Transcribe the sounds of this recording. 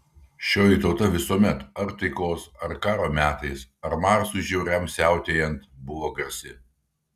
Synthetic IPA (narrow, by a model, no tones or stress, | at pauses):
ʃʲoːjɪˑt̪ɒʊt̪ɐʋʲɪsuɔmʲɛt̪ɐɾt̪ɐɪkoːsɐɾkɑːɾoːmʲæːt̪ɐɪsɐɾmɑːɾsʊʒʲɛʊɾʲɛmsʲæˑʊt̪ʲejɛnt̪bʊʋoːɡɐɾʲsʲɪ